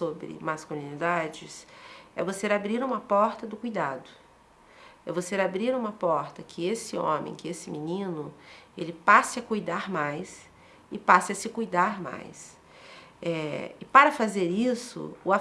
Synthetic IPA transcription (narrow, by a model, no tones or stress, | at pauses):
sobɾɪ̰maskulĩnid̪ad͡ʒɪsɛvoseɾabɾiɾũmɐpɔɾt̪ɐd̪ʊkujd̪ad̪ʊ | ɛvoseɾabɾiɾũmɐpɔɾt̪ɐkʰɪesɪõ̰mḛ̃j̃kɪesɪminĩnʊelɪpasɪɐkujd̪aɾmajs | ɪpasɪɐsɪkujd̪aɾma̰js | ɛɪpaɾɐfazeɾisʊ̰ʊa